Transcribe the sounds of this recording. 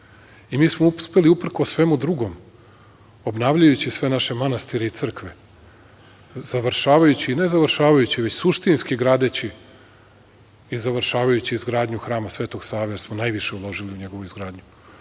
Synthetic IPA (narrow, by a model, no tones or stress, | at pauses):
imiːsmouspe̞liupr̩kosʋe̞mud̪ɾuɡo̞m | obnaːʋʎajut͡ɕisʋe̞naʃe̞manast̪iɾeit̪sɨr̩kʋe | z̥aʋɾʃaːʋajut͡ɕiːne̞zaʋɾʃaːʋajut͡ɕiʋe̞t͡ɕsuʃt̪inskiɡɾaːd̪e̞t͡ɕi | izaʋɾʃaːʋajut͡ɕiːzɡɾaːd̪ɲuxɾaːmasʋeːt̪o̞ɡsaːʋejeɾsmonajʋiʃe̞ulˠo̞ʒiliuɲe̞ɡo̞ʋuizɡɾaːd̪ɲu